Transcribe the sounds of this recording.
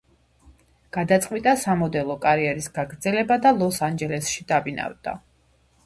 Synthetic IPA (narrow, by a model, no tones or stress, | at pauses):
ɡ̥ad̪at̪sʼqʼwit̪ʼasamɔd̪ɛlˠɔkʼaɾiɛɾisɡ̥aɡɾd̪zɛlɛbad̪alˠɔsand͡ʒɛlɛsʃid̪̥abina̰vd̪̥a̰